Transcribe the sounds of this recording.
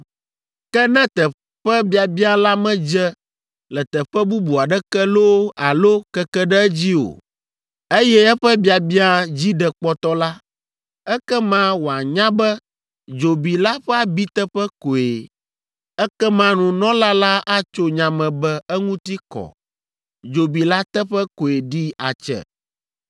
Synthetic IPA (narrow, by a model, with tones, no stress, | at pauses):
kɛ˦nɛ̃˦t̪ɛ˨ | ɸɛ˦bi˨˦a˨bi˦a˦la˦mɛ̃˦d͡ʒɛ˦ | lɛ˨t̪ɛ˨ɸɛ˦bu˦bu˨a˨ɖɛ˦kɛ˦lo˦a˨lo˦kɛ˦kɛ˦ɖɛ˦ɛ˦d͡ʑi˦o̰˨ | e˦jɛ˦ɛ˦ɸə˦bi˨a˨bi˦a˦d͡ʑi˦ɖɛ˨k͡pɔ˦t̪ɔ˦la˦ | ɛ˦kɛ˦mã˦wo˨a˨ɲã˦bɛ˦ | d͡ʒo˨bi˨la˦ɸɛ˦a˨bi˦t̪ɛ˦ɸɛ˦ko˨e˨ | ɛ˦kɛ˦mã˦nũ˨nɔ̃˦la˦la˦ʔa˦t͡ʃo˦ɲã˨mɛ̃˨bɛ˦ɛ˦ŋũ˦t̪i˦kɔ̰˨ | d͡ʒo˨bi˨la˦t̪ɛ˦ɸɛ˦ko˨e˨ɖi˦a̰˨t͡ʃɛ̰˨